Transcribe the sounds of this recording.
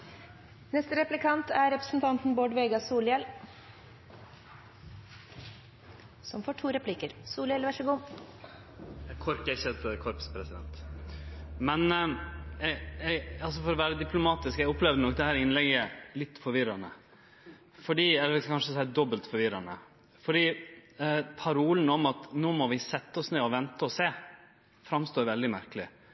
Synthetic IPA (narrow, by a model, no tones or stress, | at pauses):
nɛst̪əɾɛplɪkʰɑnt̪ʰæɾɛpɾə̥sn̩t̪ʰɑnt̪n̩boːɖʋeːɡɑsuːljɛl | sɔmfoːʈʰuːɾɛpʰliːkəɾsuːlɪɛlʋæʂəɡʊm | kʰɔɾkəɪçːəɛt̪kʰɔɾpspʰɾɛsɪd̪ɛ̰nt̪ | mɛn | jɛɛɑlsɔfɔɾɔʋæːɾəd̪ɪplʊmɑːt̪ɪskɛɡʊpːlɛːʋd̪ənɔkd̪ɛhæːɾɪnlɛɡəlɪt̪ːfɔɾʋɪɾɑnə | fɔɖiːɛɛkʰɑnʂəsæɪd̪ɔbəlt̪fɔɾʋɪɾɑnə | fɔɖiː | pʰɑɾuːlənɔmɑt̪noːmɔʋɪsɛt̪ːəɔsneːɔʋɛnt̪əɔseː | fɾɑmst̪oːɾʋɛld̪ɪmæɾkəlɪ